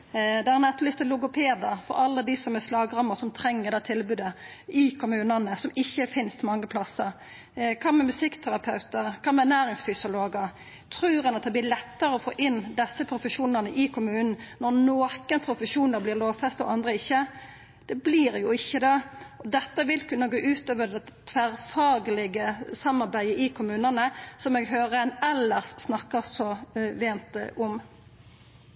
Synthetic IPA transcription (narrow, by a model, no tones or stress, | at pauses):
d̪ɛæɾnɛt̪ːlʏst̪ɛlʊɡʊpʰeːd̪ɑfɔ̰ɾɑlːəd̪isɔmɛslɑːɡʁɑməsɔmt̪ʰɾɛŋːəʁd̪ɑːt̪ʰɪlbʉːd̪ə | ɪkʰʊmʉːnənəsɔmɪçːəfɪnst̪mɑŋːəpʰlɑsːəɾ | kʰɑːmɛmʉsɪkːt̪ʰæɾɑpʰɑʉt̪əʁkʰɑːmɛnæːɾɪŋsfʏsɪʊloːɡə | t̪ʰɾʉːɾənɑt̪̚d̪ɛblɪlɛt̪ːəɾəɔfo̰ːʔɪnd̪ɛsːəpʰɾʊfəʃuːnəʁnəʔɪkʰʊmʉːnn̩nɔʁnoːkənpʰɾʊfəʂuːnəɾblɪːʁloːʋfɛst̪ɔ̰ɑnd̪ʁəɪçːə | d̪̥ɛbliːɾjʊɪçːəd̪ɛɔd̪ɛt̪ːəʋɪlkʉnːɑɡoːʔʉːt̪øːʋəd̪ɛt̪ʰʋæɾfɑːɡəlɪɡəsɑmːɑɾbæɪəʔɪkʰʊmʉːnənəsɔmɛɡɦøːʁəɛnɛlːəʁsːnɑkːəsɔʋeːnt̪ʊm